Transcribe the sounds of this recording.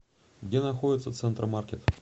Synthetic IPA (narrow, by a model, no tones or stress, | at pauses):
ɡdʲenɐxodʲɪt̪sət̪sɛnt̪rɨmarkʲet̪